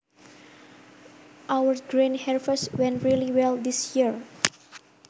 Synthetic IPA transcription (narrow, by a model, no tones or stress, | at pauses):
ʔawəɹɡɹĩnhɛɹfəswɛ̃nɹiliwɛld̪isjiɹ